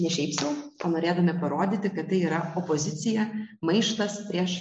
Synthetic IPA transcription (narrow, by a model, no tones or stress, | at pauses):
nʲɛʃʲɛɪpsʲɛʊoːnoːɾʲeːd̪ɐmʲɛpɐɾoːd̪ʲɪːt̪ʲɪkɐt̪t̪ɐɪiːɾɐɔpɔzʲɪt̪sʲɪjɛmɐɪʃt̪ɐspʲɾʲiɛʃ